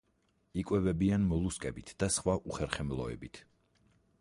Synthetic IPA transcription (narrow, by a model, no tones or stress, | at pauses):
ikʼwɛvɛbianmɔlˠuskʼɛbit̪ʰd̪̥asχwaʔuχɛɾχɛmlˠɔ̰ɛ̰bit̪ʰ